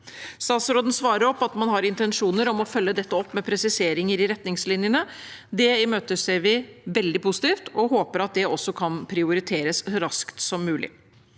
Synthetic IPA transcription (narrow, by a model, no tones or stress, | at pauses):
st̪ɑːt̪sɾoːd̪ən̩sʋɑːɾəɾɔpːɑt̪mɑnhɑɾɪnt̪ɛnʂuːnəɾɔmɔfœlːəd̪ɛt̪ːəɔpːmɛpʰɾɛsɪseːɾɪŋəɾɪɾɛt̪nɪŋslɪnjənəd̪ɛmøːt̪əsɛʋɪʋɛld̪ɪpʰʊsɪt̪iːft̪ɔɦoːpəɾɑt̪̚d̪ɛɔsːɔkʰɑnpʰɾɪʊɾɪt̪ʰeːɾəsɾɑskt̪sɔmːʉːlʔɪ̰